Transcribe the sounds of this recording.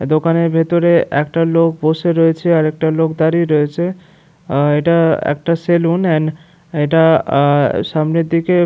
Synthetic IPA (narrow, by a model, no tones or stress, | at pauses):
d̪okaneɾbʱet̪oɾeʔɛ̰kʈalok̚boʃeɾoet͡ɕʰeaɾɛk̚ʈalokd̪aɾiɾoet͡ɕʰe | eʈaɛ̰k̚ʈaselunɛn | eʈa | ʃamneɾd̪ike